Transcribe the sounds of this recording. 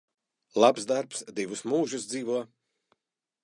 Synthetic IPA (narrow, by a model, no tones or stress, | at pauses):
lˠapsd̪aɾpsd̪ivusmuːʒus̬d̪ziːvuɔ